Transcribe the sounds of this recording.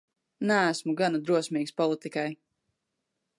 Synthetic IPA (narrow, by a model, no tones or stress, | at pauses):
næːsmuɡanad̪ɾuɔsmiːkspɔlˠit̪ikaj